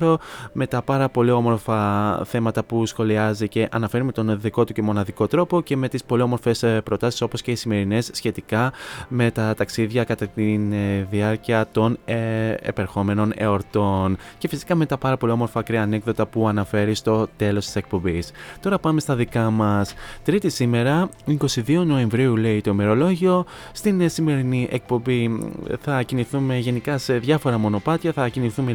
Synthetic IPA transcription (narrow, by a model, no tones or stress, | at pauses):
ɾo̞me̞t̪ɐpɐɾɐpo̞lio̞mo̞ɾfɐθe̞mɐt̪ɐpusxo̞liɐzice̞ʔɐnɐfe̞ɾime̞t̪o̞nðiko̞t̪uce̞mo̞nɐðiko̞t̪ɾo̞po̞ce̞me̞t̪ispo̞liomo̞ɾfe̞spɾo̞t̪ɐsi̥so̞po̞sce̞isime̞ɾine̞sːçe̞t̪ikɐme̞t̪ɐt̪ɐksiðʝɐkɐt̪ɐt̪inðiɐɾciɐt̪o̞n | ḛpeɾxo̞me̞no̞ne̞o̞ɾt̪o̞nce̞fisi̥kɐme̞t̪ɐpɐɾɐpo̞liomo̞ɾfɐkɾiɐːne̞kðo̞t̪ɐpuɐnɐfe̞ɾist̪o̞t̪e̞lo̞st̪i̥se̞k̚po̞mbist̪o̞ɾɐpɐme̞st̪ɐðikɐmɐst̪ɾit̪isime̞ɾɐiko̞siðio̞no̞e̞ɱvɾiule̞it̪o̞ime̞ɾo̞lo̞ʝio̞ | st̪insime̞ɾiniʔe̞k̚po̞mbiθɐciniθume̞ʝe̞nikɐse̞ðʝɐfo̞ɾɐmo̞no̞pɐt̪çɐθɐciniθume